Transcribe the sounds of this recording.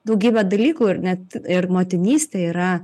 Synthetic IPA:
d̪ɐʊɡʲiːbʲɛd̪ɐlʲiːkuːɪrnʲɛt̪ɪrmoːt̪ʲɪnʲiːsʲt̪ʲeːiːɾɐ

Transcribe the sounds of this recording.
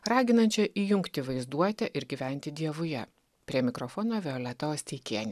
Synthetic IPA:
ɾɑːɡʲɪnɐnʲt͡ʃʲɛʔiːjʊŋkt̪ʲɪʋɐɪzd̪uɔt̪ʲɛʔɪɾɡʲiːʋʲɛnʲt̪ʲɪd̪ʲiɛʋʊjɛ̰ | pʲɾʲiɛmʲɪkɾɔfɔnoːʋʲɛoːlʲɛt̪ɐoːsʲt̪ʲɛɪkʲiɛnʲ

